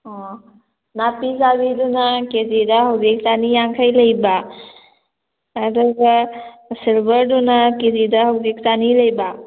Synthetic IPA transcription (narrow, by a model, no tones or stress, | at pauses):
ɔ | napizabidunakezidaɦawzik̚sanijaŋkʰajləjba | dɔɡasilbəɾdunakezidahawzik̚saniləjba